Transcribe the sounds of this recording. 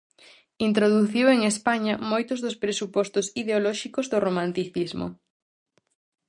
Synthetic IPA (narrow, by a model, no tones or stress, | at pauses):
int̪ɾoðuθiweŋespaɲɐmojt̪ʊzðʊspɾesupɔst̪ʊsiðeolɔʃikʊzðʊromãnt̪iθizmʊ̰